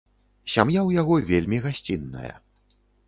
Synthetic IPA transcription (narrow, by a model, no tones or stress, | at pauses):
sʲamjawjaɣɔvʲelʲmʲiɣasʲt͡sʲinːɐ̰jɐ̰